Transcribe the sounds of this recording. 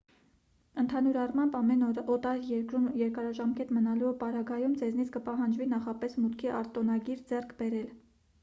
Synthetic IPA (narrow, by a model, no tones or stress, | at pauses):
ənt̪ʰɑnuɾɑrmɑmbɑmɛnɔt̪ɑɾjɛkɾumjɛɾkɑɾɑʒɑmkɛt̪mənɑluupɑɾɑɡɑjumd͡zɛznit͡sʰkəpɑɦɑnd͡ʒvinɑχɑpɛsmut̪kʰiʔɑɾt̪ɔnɑɡiɾd͡zɛrkʰbɛɾɛl